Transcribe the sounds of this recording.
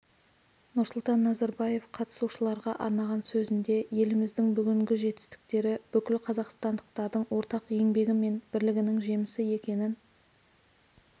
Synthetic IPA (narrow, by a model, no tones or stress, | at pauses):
nʊɾsʊlˠt̪ɑnːɑzɑɾbɑje̞fqʰɑt̪ə̥suʃəlˠɑɾʁɑʔɑ̰ɾnɑʁɑnsɵzɪnd̪e̞je̞lɪmɪzd̪ɪŋbʏɡʲɪŋɡʲɪʒe̞t̪ːɪ̥st̪ɪ̥k̚t̪e̞ɾɪb̥ʏkʲɪlqʰɑzɑqst̪ɑnd̪əqt̪ɑɾd̪əɴwo̞ɾt̪ɑqe̞ŋbe̞ɡʲɪme̞nb̥ɪɾlɪɡʲɪnɪŋʒe̞mɪsɪe̞kʲe̞nɪn